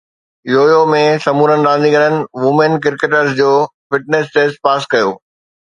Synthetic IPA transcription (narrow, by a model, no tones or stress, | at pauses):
joːjomẽsɐmuːɾənɪ̆ɾãːn̆d̪ĩɡɐnənɪ̆ʋʊmenkɪɾkeːʈəɾsd͡ʑoːfɪʈ̚neːsʈeːsʈ̚paːskɐjoː